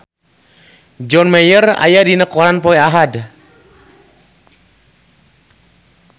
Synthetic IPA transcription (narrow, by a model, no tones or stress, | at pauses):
d͡ʒɔnmɛjəra̰jadinəkɔɾanpɔɛaɦad